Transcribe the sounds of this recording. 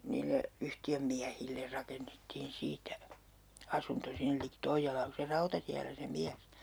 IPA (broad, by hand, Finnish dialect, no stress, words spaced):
niːlːe yhtiømːiæhilːer rɑkenːetːiːn siːtæ ɑsunto sinːĕl liki toijːɑlɑː ku se rɑutɑtiælːæ se miæs